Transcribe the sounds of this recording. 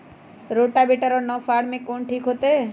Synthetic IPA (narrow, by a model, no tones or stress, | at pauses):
ɾoʈabiʈəɾonɔːfʰaːɽmẽkoːɳʈʰiːkɦot̪e